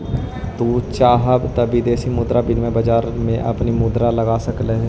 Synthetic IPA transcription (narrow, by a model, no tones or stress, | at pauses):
t̪uːt͡ʃaːɦəbt̪ɐbid̪eːsimʊd̪ɾabɪnmẽbɐd͡ʒaːɾmẽʔɐ̰pnimʊd̪ɾalɐɡaːsɐkleɦ